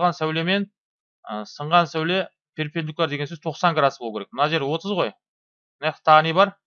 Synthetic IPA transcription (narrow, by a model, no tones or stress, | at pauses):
ʁɑnsæwle̞me̞n | əsəɴʁɑnsæwle̞ | pʲʰeɾpʲend̪uk̚lɑɾd̪eɡesɵz̥t̪ʰo̞qsɑŋɡɾad̪sbolˠukʰʲeɾekmənɑʒe̞ɾwo̞t̪ʰəzʁo̞j | ne̥t̪ʰɑʁənejbɑɾ